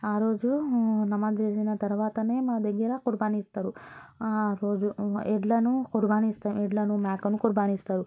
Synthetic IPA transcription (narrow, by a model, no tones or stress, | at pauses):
aɾod͡ʒunɐmad͡ʒɾesinat̪ɐɾʋat̪ənemad̪eɡiɾakuɾbanist̪ɐɾu | ɾod͡ʒueʈlanũkʊɾbanist̪ɐɾueʈlanũmɛkənũkʊɾbanist̪ɐɾu